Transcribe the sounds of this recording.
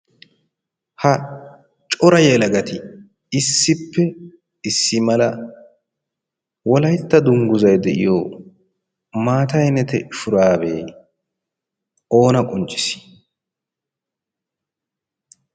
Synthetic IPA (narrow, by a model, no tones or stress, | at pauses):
hɐ | t͡ʃʼɔɾɐjɛlɐɡɐt̪ɪ | ɪsːɪpːɛ | ɪsːɪmɐlɐ | wɔlɐjt̪ːɐd̪ʊŋɡʊzɐjd̪ɛʔɪ̰joː | maːt̪ɐjnɛt̪ɛfʊɾaːbḛː | o̞ːnɐkʼɔnt͡ʃʼːɪ̥s